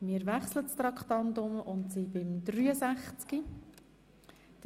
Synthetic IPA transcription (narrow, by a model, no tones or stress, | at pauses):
mɪːɾʋæχslətst̪ɾɑkχt̪ɑntʊmʔʊntsibɪmd̪ɾyːəsæχt͡ski | d̥